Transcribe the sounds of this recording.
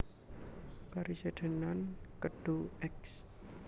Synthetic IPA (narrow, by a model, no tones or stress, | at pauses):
kaɾiseɖ̪̥ə̤nankəɖ̥oɛks